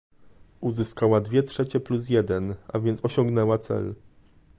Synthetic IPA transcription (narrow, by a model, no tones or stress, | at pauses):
uzɘskawad̪vʲjɛtʂɛt͡ɕɛplus̬jɛd̪ɛnʔa̰vʲjɛnt̪sɔɕɔŋɡnɛwat̪sɛ̰l